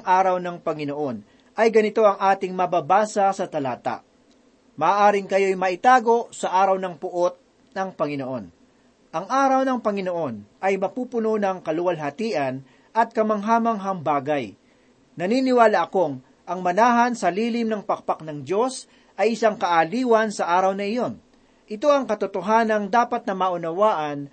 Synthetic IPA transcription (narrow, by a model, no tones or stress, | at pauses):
ŋʔaːɾɐwnɐŋpɐŋɪnoʔo̞n | ʔɐjɡɐnɪt̪o̞ʔɐŋʔaːt̪ɪŋmɐbaːbaːsɐsɐt̪ɐlaːt̪a̰ʔ | mɐːʔaːɾɪŋkɐjo̞jmɐʔɪt̪aːɡo̞ʔsɐʔaːɾɐwnɐŋpʊʔo̞t̪̚ | nɐŋpɐŋɪno̞ʔo̞n | ʔɐŋʔaːɾɐwnɐŋpɐŋɪno̞ʔo̞nʔɐjmɐpuːpʊno̞nɐŋkɐlʊwɐlɦɐt̪iːʔɐn | ʔɐt̪̚kɐmɐŋɦaːmɐŋɦɐŋbaːɡɐj | nɐniːnɪwaːlɐʔɐko̞ŋ | ʔɐŋmɐnaːɦɐnsɐliːlɪmnɐŋpɐk̚pak̚nɐŋd͡ʒo̞s | ʔɐjɪsaŋkɐʔaliːwɐnsɐʔaːɾɐwnɐɪjo̞n | ʔɪt̪o̞ɐŋkɐt̪ʊt̪oɦaːnɐŋd̪aːpɐt̪̚nɐmaʔʊnɐwaːʔɐn